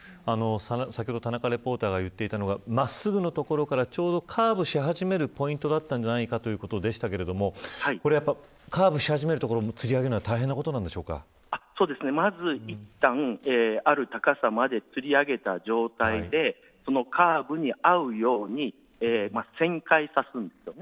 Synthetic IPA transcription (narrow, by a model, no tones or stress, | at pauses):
ano̞sansakʲihod̪ot̪anakaɾe̞po̞ːt̪aːɡajɯ̟t̪ːe̞it̪ano̞ɡamasɨɡɯ̟no̞t̪o̞ko̞ɾo̞kaɾat͡ɕo̞ːd̪o̞kʰaːbɯ̟ɕiɦaʑime̞ɾɯ̟po̞ĩnt̪o̞d̪at̪ːãɲ̟d͡ʑanaikat̪o̞jɯ̟ko̞t̪o̞d̪e̞ɕi̥t̪ake̞ɾe̞d̪o̞mo̞haiko̞ɾe̞japːa | kʰaːbɯ̟ɕihaʑime̞ɾɯ̟t̪o̞koɾomot͡sɨɾʲiaɡe̞ɾɯnoat̪aiɦenːako̞t̪onãnd̪e̞ɕo̞ːka̰ | aso̞ːd̪e̞sɨne̞mazɨit̪ːãeːaɾɯ̟t̪akasamad̪e̞t͡sɨɾʲiaɡe̞t̪ad͡ʑo̞ːt̪aid̪e̞ | so̞no̞kʰaːbɯ̟ɲ̟iaɯ̟jo̞ːɲ̟i | eːmasẽ̞ŋkaisasɨ̃nd̪e̞sɨjone